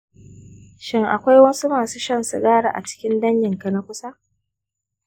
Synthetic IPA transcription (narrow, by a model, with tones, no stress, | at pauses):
ʃɪ˦ŋʔa̰˨kʷa˦jwɐ˦su˦maː˨su˦ʃɐ˦nsṵ˨ɡaː˦ɽa̰˨ʔa̰˨t͡ʃɪ̥˦kʲɪ˦ndɐ˦ɲjɪ˨ŋkɐ˨na˦kʷʊ˦sa˦